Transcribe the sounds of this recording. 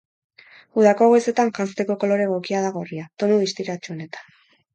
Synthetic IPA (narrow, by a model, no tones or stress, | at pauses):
uð̞ako̞ɣese̞t̪aŋʝanst̪e̞ko̞ko̞lo̞ɾe̞ɣ̞o̞kiaðaɣo̞riat̪o̞nuðist̪iɾat͡ʃuone̞t̪ḁ